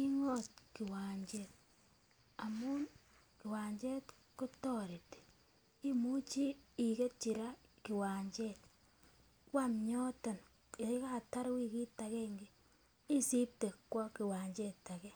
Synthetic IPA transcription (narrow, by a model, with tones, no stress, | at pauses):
ki˦ŋo˦˨tki˨waː˨ɲd͡ʒe˨t | a˨mu˦n | ki˨waː˨ɲd͡ʒe˦t | ko˦to˦ɾe˨te̥˨ | i˦mu˦t͡ʃiː˦˨ke˦t͡ʃi˨ɾa˦ki˨waː˨ɲd͡ʒe˦t | kwa˨mɲo˦ta˨n | e˨˦ka˦˨ta˦ɾwi˦ki˦ta˨ɣe˦ŋɡe˦ | i˦si˦p̚te˨kːwa˦ki˨waː˨ɲd͡ʒe˦ta˨ɣe˦